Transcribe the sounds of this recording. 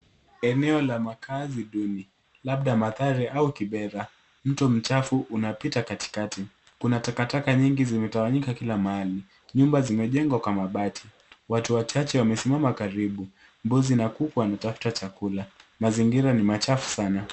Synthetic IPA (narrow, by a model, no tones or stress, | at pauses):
ɛnɛɔlamakʰaziɗuni | laɓɗamaθaɾiʔaukiɓɛɾa | m̩tɔm̩t͡ʃafuʔunapitakati̥kati | kunatakatakaɲiŋɡizimɛtawaɲikakilamaali | ɲumbazimɛʄɛŋɡwakwamaɓatʰi̥ | watuwat͡ʃat͡ʃɛwamɛsimamakaɾiɓu | mbuzinakukuwanatafu̥tat͡ʃakulamaziŋɡiɾanimat͡ʃafu̥sana